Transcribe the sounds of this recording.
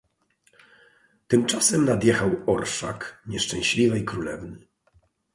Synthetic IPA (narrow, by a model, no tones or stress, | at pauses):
t̪ɘmt͡ʂasɛmnad̪jɛxawɔɾʂa̰kɲɛʂt͡ʂɛ̃w̃ɕlʲivɘikɾulɛ̰vnɘ